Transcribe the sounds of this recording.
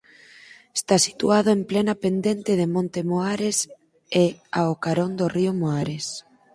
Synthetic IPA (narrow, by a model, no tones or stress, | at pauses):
est̪asi̥t̪uaðoemplenapend̪ent̪ɪð̞emõnt̪emoaɾes | eaokaɾond̪oriʊmoaɾes